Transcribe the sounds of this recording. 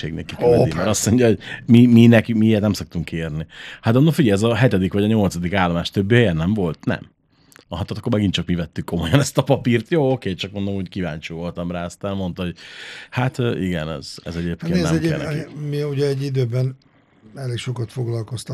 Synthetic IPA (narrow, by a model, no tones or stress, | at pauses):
ḛːɡnɛ̰kːikkdimɛɾɒsmo̞ɲjɒoɟmiminɛkimijɛt̪nɛmsok̚t̪uŋkːeːrnihat̪ɛnːofiɡɛjɛzɒɦɛt̪ɛd̪ikʋɒɟɒɲo̞lt̪sɒd̪ikaːlːomaːʃt̪øbːijɛnɛɱvo̞lt̪nɛ̰m | ɦɒt̪ːt̪ːɑkːomɛɡint͡ʃɒkmivɛt̪ːykːo̞mo̞jɒnɛst̪ɒpɒpiːrt̪joːokeːt͡ʃɒk̚mo̞nd̪omockiva̰ːnt͡ʃiːvo̞lt̪ɒmraːɒst̪aːnmont̪ɒho̞ɟhat̪øːʔiɡɛnɛ̰z̥ɛ̰zɛɟeːp̚keːnnɛɛɛ̰ɛkḭmiuɟɛɛɟid̪øːbɛn | ɛleːkʃokɒt̪foɡlɒlko̞st̪ɒ